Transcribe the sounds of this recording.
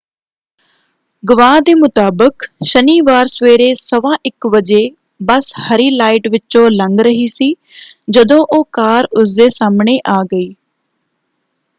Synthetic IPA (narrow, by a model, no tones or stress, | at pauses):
ɡəʋãːd̪eːmʊt̪aːbəkʃəniːʋaːɾsʋeːɾeːsəʋãːʔɪkʋəd͡ʒeː | bəshəɾiːlaːɪʈʋɪt͡ʃõːləŋɡɾəɦiːsiː | d͡ʒəd̪õːʔoːkaːɾʊs̬d̪eːsaːmɳeːʔaːɡəiː